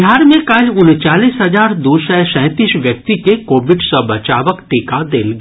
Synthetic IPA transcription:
ɦaːɾmẽkaːlʊnt͡ʃaːliːsɦɐzaːɾd̪oːʃɛsɛ̃ːt̪iːsʋjək̚t̪ikekoːʋɪɖsəbɐt͡ʃaːʋəkʈiːkad̪eːlɡ

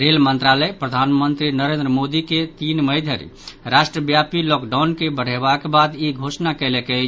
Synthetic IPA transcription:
ɾelmənt̪ɾaləjpɾəd̪ʱanmənt̪ɾinəɾend̪ɾəmod̪iket̪inməjd̪ʱjəɾḭɾasʈɾəbjapilɔkɖawnkebəɽ̤ebakebad̪iɡʱosnakəlɛkɛ

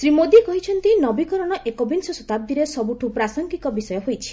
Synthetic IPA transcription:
sɾimod̪ikɔɦit͡ʃʰɔnt̪inɔbikɔɾɔɽ̃ɔʔekɔbinsɔsɔt̪ab̚d̪iɾesɔbuʈʰupɾasɔŋɡikɔbisɔjɔɦojt͡ʃʰi̥

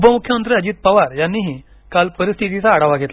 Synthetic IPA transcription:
upəmukʰjəmənt̪ɾiəd͡ʑiːt̪̚pəʋaɾjanːiɦi | kalpəɾist̪ʰit̪it͡saːɽaʋaɡʱet̪l

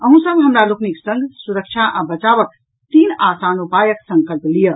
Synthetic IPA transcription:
əɦũsəbɦəmɾalokniksə̃ŋɡʱsuɾək̚t͡ʃʰaʔabət͡ʃaʋək̚ | t̪inasanupajəksəŋkəlplijə

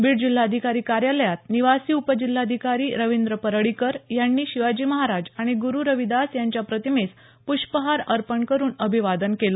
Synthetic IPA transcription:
biːɽd͡ʑilːaəd̪ʱikaɾiːkaɾjaləjat̪̚niʋasiːupəd͡ʑil̤ːaəd̪ʱikaɾiːɾəʋind̪ɾəpəɾəɽikəɾjanːiːɕiʋad͡ʑiːməɦaɾad͡ʑaɽ̃iɡuɾuːɾəʋid̪asjaɲt͡ɕjapɾət̪imes | puɕpəɦaɾəɾpəɳkəɾuːnəbʱiʋad̪ənkelo

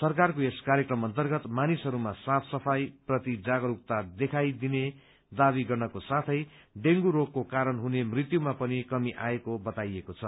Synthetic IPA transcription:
sʌrk̬arkoeskaɾjekrʌmʌnt̪ʌrɡʌt̪manisɦʌɾumasapʰsʌpʰajprʌt̪id͡zaɡʌɾuk̚t̪ad̪ekʰajd̪ine | d̪aβiɡʌrnʌkosat̪ʰʌj | ɖeŋɡuɾokːokaɾʌnɦunemrit̪jumapʌnikʌmiʔaekobʌt̪ajekot͡sʰʌ

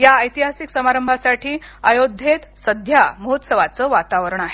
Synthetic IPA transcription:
jaəjt̪iɦasiksəmaɾəmbʱasaʈʰiːəjod̪ʱjet̪səd̪ʱjaməɦut̪səʋat͡səːʋat̪aʋəɾəɳaɦe

